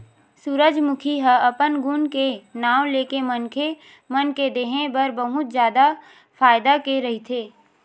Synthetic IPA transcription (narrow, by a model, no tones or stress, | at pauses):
suɾəd͡ʒmʊkʰiɦəɐpənɡunkenaːwleːkemənkʰe | mənked̪eːɦẽbəɾbəɦʊt̪d͡ʒjaːd̪a | faːɪd̪akeɾɐɦit̪ʰeː